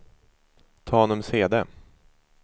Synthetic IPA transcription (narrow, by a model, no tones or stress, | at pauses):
t̪ʰɑːhɔnɔmseːd̪e